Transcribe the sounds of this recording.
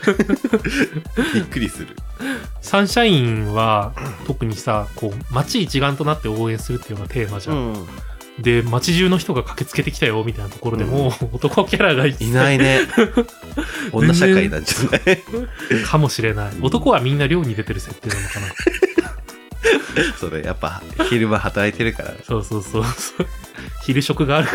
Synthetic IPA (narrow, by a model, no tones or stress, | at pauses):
bikːɯ̟ɾʲisɨɾɯ̟̰sãɰ̃ɕaĩβat̪o̞kɯ̟ɲ̟isako̞ːmat͡ɕiːt͡ɕiɡãnt̪o̞nat̪ːe̞o̞ːẽ̞ɰ̃sɨɾɯ̟t̪ːejonat̪ʰe̞ːmaʑã̰ | d̪e̞mat͡ɕiʑɨːno̞çi̥t̪o̞ɡakʰḁke̞t͡sɨ̥ke̞t̪e̞kʲi̥t̪ajo̞mʲit̪ainat̪oko̞ɾo̞d̪e̞moːt̪o̞ko̞kʲaɾaɡait͡si̥naine | õzenːɕaẽkainã̰ɲd͡ʑane | kʰamo̞ɕiɾe̞naio̞t̪o̞ko̞ɡamʲĩnːaɾʲjo̞ːɲ̟id̪e̞t̪e̞ɾɯ̟se̞t̪ːeːnano̞kanak | so̞ɾeja̰pːa̰çiɾɯ̟mahat̪aɾait̪e̞ɾɯ̟ka̰ɾa̰so̞ːso̞ːsoːso̥ːçiɾɯ̟ɕo̞kɯ̟ɡaːɾɯ̟